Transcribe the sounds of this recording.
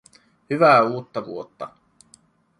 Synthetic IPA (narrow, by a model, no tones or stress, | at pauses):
hyʋæuːt̪ːɑʋṵot̪ːɑ̰